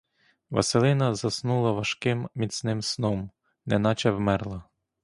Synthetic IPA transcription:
ʋɐ̰selˠɪnɐzɐsnulˠɐʋɐʃkɪmmʲit̪sʲnɪmsnɔm | nɛnɑt͡ʃɛwmɛrlˠɐ

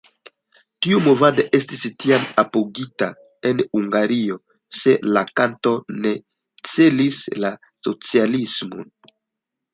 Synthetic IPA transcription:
tiumo̞vadoʔe̞stistiamapoɡita | e̞nuŋɡaɾio̞ | se̞lakanto̞ne̞ | t͡se̞lisla | so̞t͡sialismo̰n

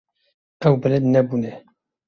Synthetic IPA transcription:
ɛwbɛlɛd̪nɛbunɛ

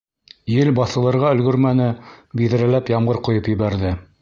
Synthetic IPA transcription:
jɘlbɑθɤ̆lˠɤ̆ɾʁɑɵ̆lɡɵ̆ɾmænɘbiðɘ̆ɾælæpjɑmʁɤɾqŏjɤpjɵ̆βæɾðɘ

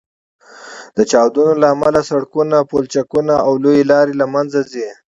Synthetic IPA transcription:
d̪̥ət͡ʃɑwd̪unolaːmalasaɽkunapolt͡ʃakunaawlojelɑɾelamanzazi

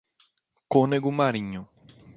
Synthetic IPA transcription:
koneɡumaɾiɲõ

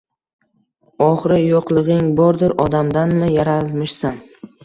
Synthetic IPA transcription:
ɒχɾɪjoqlˠɨʁɪŋbɒɾd̪ɪɾɒd̪amd̪anmɪjaɾalˠmɪʃsan

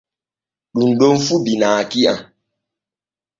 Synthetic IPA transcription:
ɗunɗonfubinaːkia̰

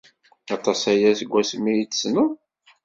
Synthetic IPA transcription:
ɑt̪ˤɑsæjæsɡʷːæsmːijit͡sːsnu

